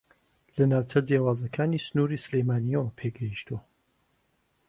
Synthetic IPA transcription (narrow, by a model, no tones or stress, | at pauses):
lɐnaːwt͡sʰɐd͡zjawaːzɐkʰaːnisɨnuːɾiːsɨlejmaːnijɛwɐpʰeːɡɐhiʃt̪uwɐ